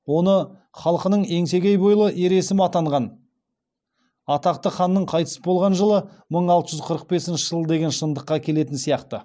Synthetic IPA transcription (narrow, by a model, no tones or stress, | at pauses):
wo̞nə | χɑlˠqənəɴe̞ŋse̞ɡʲejbojəlˠəʔe̞ɾe̞sɪmɑt̪ɑɴʁɑn | ɑt̪ɑq̚t̪əχɑnːəɴqʰɑjt̪ə̥səbolˠʁɑnʒəlˠə | məɴɑlˠt̪əʒʏzqʰəɾəq̚be̞sɪnʃɪʒəlˠəd̪e̞ɡʲe̞nʃənd̪əqːɑkʲʰe̞le̞t̪ɪnsijɑqt̪ə